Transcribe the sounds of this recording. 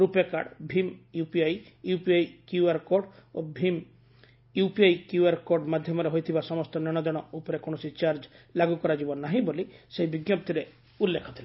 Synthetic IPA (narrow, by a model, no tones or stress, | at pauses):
ɾupeka̰ɖbʱimjupiajjupiajkjuaɾkoɖobʱim | jupiajkjuaɾkoɾɖmad̪ʱjɔmɔɾeɦojt̪ʰibasɔmɔst̪ɔnɔɽ̃ɔd̪ɔɽ̃ɔupɔɾekoɽ̃ɔsit͡ʃaɾd͡ʒlaɡukɔɾad͡ʒibɔnaɦĩboliseɦibiɡjɔp̚t̪iɾe | ulːekʰɔ̥t̪ʰila